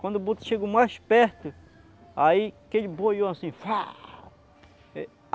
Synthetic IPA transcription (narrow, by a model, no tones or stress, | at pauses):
kwɐ̃nd̪ʊbut̪ʃeɡomajspɛɾt̪ʊ | aikeʎɪbojoasĩfa | ɛ